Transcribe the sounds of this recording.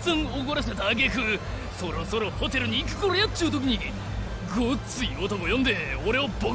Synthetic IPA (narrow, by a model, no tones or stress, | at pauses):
zãŋoɡoɾaɕi̥t̪at̪aɡekɯ̟ | so̞ɾo̞so̞ɾo̞ho̞t̪e̞ɾɯ̟ɲ̟iːkɯ̥koɾojat͡ɕiɯt̪o̞kʲiɲ̟i | ɡot͡sɨiot̪okojond̪e̞oɾe̞obo